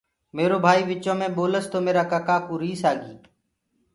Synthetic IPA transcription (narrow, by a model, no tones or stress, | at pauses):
meːɾoːbʱaːiːʋɪt͡ʃõːmẽːɓoːləst̪oːmeːɾaːkaːkaːkuːɾiːsaːɡiː